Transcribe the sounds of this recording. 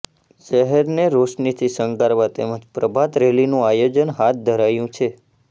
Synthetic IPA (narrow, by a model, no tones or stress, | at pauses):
ʃəɦɛɾneɾoʃnit̪ʰisəŋkaɾʋãt̪eməd͡ʒpɾəbʱat̪ɾelinũajod͡ʒənɦat̪̚ʰd̪ʱəɾajũt͡ʃʰe